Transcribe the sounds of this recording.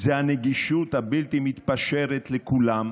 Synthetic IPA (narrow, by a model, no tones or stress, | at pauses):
zeaneɡiʃut̪habilt̪imit̪paʃeʁet̪lekulam